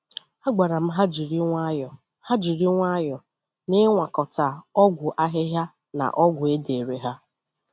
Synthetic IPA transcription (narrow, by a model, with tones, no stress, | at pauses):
a˦ɡ͡ba˨ɾa˨m̩˦ɦa˦d͡ʒi˨ɾi˦ŋʷa˦˨ | ha˦d͡ʒi˨ɾi˦ŋʷa˦jɔ˨ | nɪ˦ŋʷa˨kɔ˨ta˨ɔ˦ɡʷʊ˨ʔa˦ɦɪ˦ɦja˦ | na̰˨ʔɔ˦ɡʷʊ˨e˦de˨ɾe˨ɦa˦